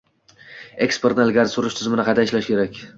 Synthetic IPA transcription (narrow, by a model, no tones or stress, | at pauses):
ekspeɾt̪nalɡʲaɾsʊɾɪʃt̪ʰɪzmɪnɪqʰɑjd̪aɪʃlaʃkʲʰe̞ɾakʲ